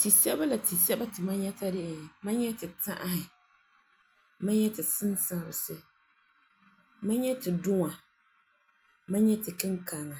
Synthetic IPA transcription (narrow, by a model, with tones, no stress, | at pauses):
ti˨sɛ˦ba˦la˨ti˨sɛ˦ba˦tɨ˨ma˦ɲɛ˦ta˦dɪ˦ʔɪ˨ma˦ɲɛ˦tɨ˨ta̰˦ʔa˦hɪ˨ | ma˦ɲɛ˦tɨ˨sɨ˦nsa˦˨ɾɨ˨sɨ˦ | ma˦ɲɛ˦tɨ˨dʊ˦ŋa˨ | ma˦ɲɛ˦tɨ˨kɨ˦ŋka˨ŋa˨